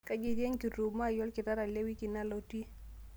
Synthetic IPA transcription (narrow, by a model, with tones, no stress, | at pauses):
ka˦d͡ʒɪ˦dje˦ŋki˨ɾu˨bma˦˨jɔ˦lkɪ˨ta˦ɾa˨le˦wi˦kɪ˨na˦lo˦ti˦